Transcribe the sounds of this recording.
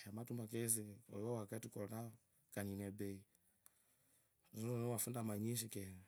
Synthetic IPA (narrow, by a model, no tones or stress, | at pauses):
amatumakɛzɛɔ̰jɔwakatikɔna | kaɲinɛbɛi | zɔnɔnɔwafundamaɲiʃ̬ikɛn